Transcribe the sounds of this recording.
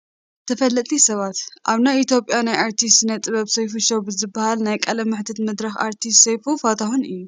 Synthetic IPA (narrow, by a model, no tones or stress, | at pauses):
t̪ʰɐfɐlːɐt̪ʼisɐβat̪ʔaβnajit̪jo̞pʼjanajʔaɾt̪ʰist̪nɐt̪ʼɨβɐβsɐjfuʃowbɨzɨbːɐhalnajkʼɐlɐmːɨħt̪ʰɐt̪mɨd̪ɾɐxa̰ɾt̪ʰist̪sɐjfufat̪ʰaxunɨjːu